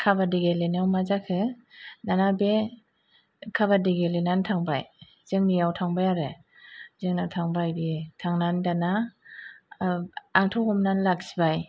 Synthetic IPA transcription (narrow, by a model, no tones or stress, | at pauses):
kʰabadiɡelenawmazakʰɯ | nanabe | kʰaβadiɡelenantʰaŋbaj | zɯŋnijawtʰaŋbajaɾɯ | zɯŋnatʰaŋbajbitʰaŋnandana | ŋtʰɔkɔmnanlak̚sibaj